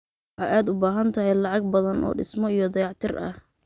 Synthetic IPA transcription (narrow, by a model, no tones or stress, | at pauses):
wħɑjaːd̪ʊbaːɦɐnt̪ʰɐɦɛjlɑʕɑɡ̚bɐðɐnʔɔ̰ːɖɪ̰smɔijɞd̪ɐjɑʕt̪ʰɪrʔɐ̰h